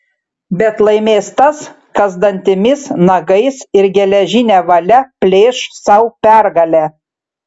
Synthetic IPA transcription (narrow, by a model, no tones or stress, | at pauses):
bʲɛt̪lˠɐɪmʲeːst̪ɐs | kɐzd̪ɐnʲt̪ʲɪmʲɪsnɐɡɐɪsɪɾɡʲɛlʲɛʒʲɪnʲɛːʋɐlʲɛpʲlʲeːʃsɐʊpʲæɾɡɐlʲæː